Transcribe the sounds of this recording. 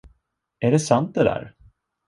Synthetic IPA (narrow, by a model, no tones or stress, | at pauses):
æɖɛsant̪̚d̪ɛd̪æ̰ːɾ